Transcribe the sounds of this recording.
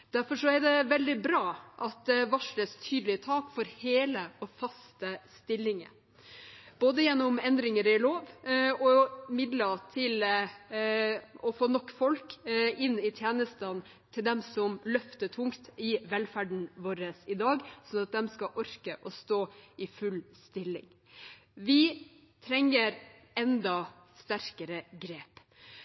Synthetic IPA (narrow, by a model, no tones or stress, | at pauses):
d̪̥æɾfɔʂɔæɾɖ̪ɛʋɛld̪ɪbɾɑːʔɑt̪̚d̪ɛʋɑʂləst̪ʰyːd̪əlɪət̪ʰɑːkfɔɾheːləɔfɑst̪əst̪ɪlːɪŋə̰ | b̥oːd̪əjɛnːɔmɛnd̪ɾɪŋəɾɪloːʋɔmɪd̪lət̪ʰɪl | ɔfoːnɔkːfɔlkɪnːɪt̪ʰjeːnəst̪ən | t̪ʰɪld̪ɛmsɔmlœft̪əʈ̪ʰʊŋkt̪ɪʋɛlfæɖɳ̩ʋoːɾəsɪd̪ɑːɡsɔnɑt̪̚d̪ɛmskɑʔɔɾkəʔɔst̪oːɪfʉlst̪ɪlɪ̰ŋ | ʋɪ | t̪ʰɾɛŋːəɾ | ɛnd̪ɑ | st̪æɾkəɾəɡɾeːp